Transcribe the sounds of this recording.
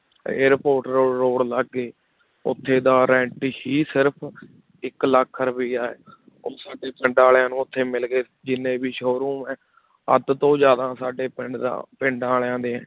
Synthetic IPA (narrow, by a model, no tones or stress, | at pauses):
ḛːɾpoːɾʈɾoːɾoːɽləɡːeː | ʊ̰t̪ʰːeːd̪aːɾɛ̃ːɳʈhiːsɪɾpʰ | ɪkləkʰːəɾbiːaːeː | oːsaːɖeːpɪɳɖaːlãːnũːʊt̪ʰːeːmɪlɡeː | d͡ʒɪnːẽːbiːʃoːɾũːmɛ̃ː | ə̰d̪t̪õːd͡ʒjaːd̪ãːsaːɖeːpɪɳɖd̪a̰ːpɪɳɖãːljãːnd̪eːɛ̃ː